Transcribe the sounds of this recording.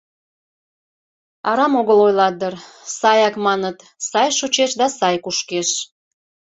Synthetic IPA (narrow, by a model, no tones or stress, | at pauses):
ɑɾɑmoɣəlojlɑd̪ərsɑjɑkmɑnət̪ | sɑjʃot͡ɕeʃd̪ɑsɑjkuʃkeʃ